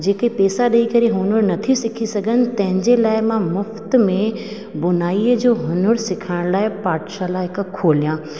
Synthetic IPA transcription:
d͡ʑeːkepeːsaɗɐikɐɾeɦʊnəɾnɐt̪ʰisɪkʰisɐɡʱənɪ̆t̪ɐ̃ɦɪ̃ɲd͡ʑelaːɪmãmʊft̪mẽ | bʊnaːiəd͡ʑoːɦʊnəɾsɪkʰaːɪɽ̃laːɪpaːʈʃalaːɦɪkkʰoːlijãː

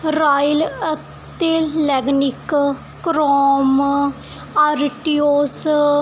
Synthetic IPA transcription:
ɾaːjilə | t̪elɛːɡnɪk | kːɾɔːm | aɾʈioːs

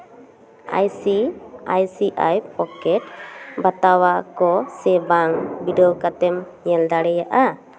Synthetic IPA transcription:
a̰jsiajsiʔajpɔkɛt̚bat̪awakɔsɛbaŋbidɔwkat̪ɛm | ɲɛld̪aɽɛjaʔa

